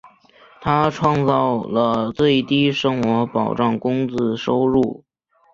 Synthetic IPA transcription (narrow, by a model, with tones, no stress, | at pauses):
t̪ʰa˥ʈ͡ʂʰwɑ˥˧ŋt͡sɑ˥˩ʊlə˩t͡swe˥˩ɪt̪i˥˩ʂɤ˥ŋxwɔ˧˥pɑ˨˩ʊʈ͡ʂɑ˥˩ŋkʊ˥ŋt͡sɹ̩˥˧ʂo˥ʊɻu˥˩